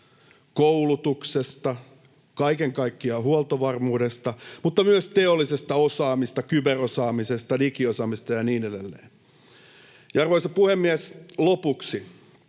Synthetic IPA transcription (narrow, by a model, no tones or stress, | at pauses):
koulut̪uksest̪ɑ | kɑikeŋkɑikːiɑhuolt̪oʋɑrmuːdest̪ɑmut̪ːɑmyøst̪eolːisest̪ɑosɑːmist̪ɑkyberosɑːmisest̪ɑnikiosɑːmist̪ɑjɑniːnedelːḛː | jɑɑrʋoisɑpuhemːiɛslopuksi